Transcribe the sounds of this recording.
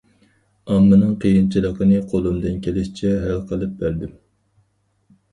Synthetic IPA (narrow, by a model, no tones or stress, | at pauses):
ɑmːɨnɨŋqʰijint͡ʃʰilˠəqənɨqʰolˠumd̪ɨnkʲʰelɪʃi̥t͡ʃʰɛɦælqʰəlˠɨp̚bæɾd̪ɪm